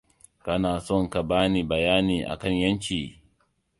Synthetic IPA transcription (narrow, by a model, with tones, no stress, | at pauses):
kɐ˦naː˨sɔ˦˨ŋka˨baː˦niː˨bɐ˨jaː˦niː˨ʔa̰˨kɐ˦ɲjɐ˦ɲkʲiː˨